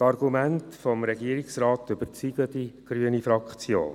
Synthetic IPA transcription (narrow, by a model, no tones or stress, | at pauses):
tɑɾɡumæntfɔmɾɛɡiəɾiksrɑːtʏbəɾt͡siːɡlədiɡ̥ɾyənifɾɑkχt͡sjo̰ːn